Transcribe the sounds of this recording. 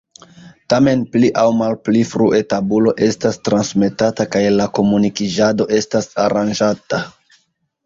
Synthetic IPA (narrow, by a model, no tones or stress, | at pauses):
tame̞npliʔawmalplifɾuʔe̞tabulo̞ʔe̞stastɾansme̞tatakajlako̞munikid͡ʒado̞ʔe̞stasaɾand͡ʒata